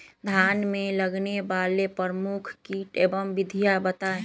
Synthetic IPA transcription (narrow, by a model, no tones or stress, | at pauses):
d̪ʱjaːnmẽləɡnebalepɾəɾmukʰkiʈebəmbɪd̪ʱijabət̪ae